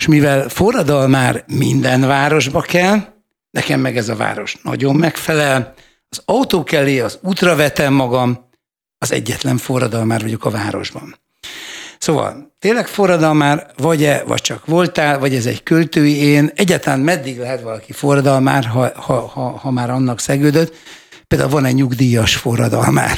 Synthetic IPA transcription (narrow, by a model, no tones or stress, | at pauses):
ʃmivɛlfo̞rːɒd̪ɒlmaːrmind̪ɛnvaːɾo̞ʒbɒkɛl | nɛkɛmːɛɡɛzɒva̰ːɾo̞ʃnɒ̰ɟo̞mːɛkfɛlɛl | ɒzɒwt̪oːkɛlːeːɒzuːt̪rɒvɛt̪ɛmːɒɡɒm | ɒzɛ̰ɟːɛt̪lɛɱfo̞rːɒd̪ɒlmaːrvɒɟo̞kɒvaːɾo̞̰ʒbɒ̰n | soːvɒ̰lt̪eːnlɛkfo̞rːɒd̪ɒlmaːrvɒɟɛvɒ̰c̚t͡ʃɒkʋo̞lt̪aːlvɒɟɛzɛ̰ckølt̪øːjieːnɛɟːaːt̪ɒlammɛd̪ːiɡlɛɦɛt̪ʋɒlɒkifo̞rːɒd̪ɒlma̰ːrɦɒhɒhɒhɒmaːɾɒnːɒksɛɡøːd̪øt̪ | peld̪a̰ːulvɒnɛɟɲuɡd̪ijɒʃfo̞rːɒd̪ɒ̰lma̰ːr